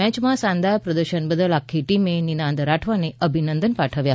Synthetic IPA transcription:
mɛt͡ɕmãsãnd̪ajpɾəd̪əɾɕənbəd̪əlakʰːiʈimeninãnd̪ɾaʈʰʋaneʔəbʱinənd̪ənpaʈʰəʋja

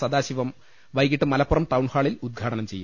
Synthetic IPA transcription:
sɐd̪aːɕiʋɐm | ʋɐjk̬iʈːɨmɐlɐpːurɐmʈ̪ɐwɳhaːɭilud̪̚ɡʱaːʈɐnɐmt͡ɕe̞jːu

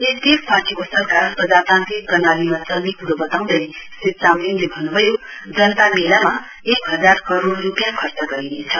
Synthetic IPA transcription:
ekt̪ekpaɾʈikosʌɾkaɾpʌd͡zat̪ant̪ikʌnalimat͡sʌlmikʰuɾʌbʌt̪aw̃nd̪ʌj | sit̪̚t͡saminlebʱʌnːubʱʌjo | d͡zʌnt̪amelama | ekɦʌd͡zaɾkʌɾoɽːupijakʰʌɾt͡sʌɡʌɾinet͡sʰʌ

